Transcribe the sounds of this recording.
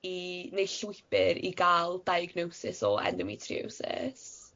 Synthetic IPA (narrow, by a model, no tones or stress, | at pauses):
inejɬʊɨpɪɾiɡaːlˠdajaɡnowsɪsɔɛ̰ndəmitʰrḭo̰wsɪ̰s